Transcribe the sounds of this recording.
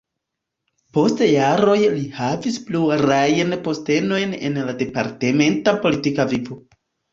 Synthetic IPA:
po̞stjaɾo̞jlihavispluaɾajenpo̞ste̞no̞jne̞̰nlade̞paɾte̞me̞ntapo̞litikavivo

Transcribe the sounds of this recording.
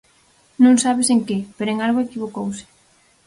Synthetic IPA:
nõŋsaβeseŋkepeɾoeŋalɣoekiβokowsɪ̥

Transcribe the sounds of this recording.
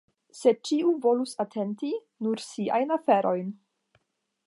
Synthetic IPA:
se̞t͡ʃiuvo̞lusatʰe̞nti | nuɾsia̰jnafeɾo̞jn

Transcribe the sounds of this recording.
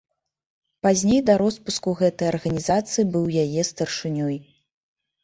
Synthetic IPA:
pazʲnʲejd̪ɐɾɔspuskuɣɛt̪ɐjɐrɣɐnʲizat̪sɨjibɨwjajɛst̪ɐrʂɨnʲɔj

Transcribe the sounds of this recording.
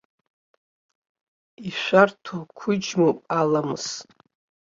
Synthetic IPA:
iʃʷartʰokʷʰʊd͡ʒmopʼalamɨs

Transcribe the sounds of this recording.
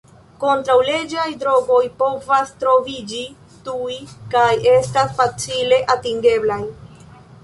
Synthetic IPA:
ko̞ntɾawle̞d͡ʒajdɾo̞ɡo̞jpo̞vastɾo̞vid͡ʒi | tujkaje̞stasfat͡sile̞ʔatiŋɡe̞blaj

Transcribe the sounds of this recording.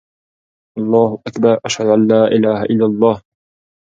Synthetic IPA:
ʔɑlˤːɑːhʊʔakbɑɾˤʔaʃhad̪ʊʔanlaːʔɪlaːɦaʔɪlːalˤːɑːh

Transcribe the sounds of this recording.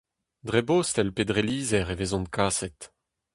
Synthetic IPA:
d̪ʁeboːst̪ɛlpedʁeliːzɛʁevezɔ̃nkʰaːsɛt

